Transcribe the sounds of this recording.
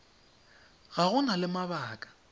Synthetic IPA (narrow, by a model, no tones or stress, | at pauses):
ɣaɣʊnalɪmaβaːkʼḁ